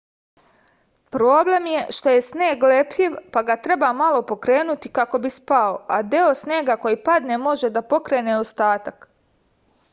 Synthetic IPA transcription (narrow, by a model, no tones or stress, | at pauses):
pɾo̞ːble̞mjeʃt̪o̞je̞sneːɡlepʎiʋpaɡat̪ɾe̞bamalo̞po̞kɾe̞ːnut̪ikako̞bispaoad̪eo̞sneːɡako̞jipad̪ne̞mo̞ʒe̞d̪apo̞kɾe̞ːneost̪aːt̪ak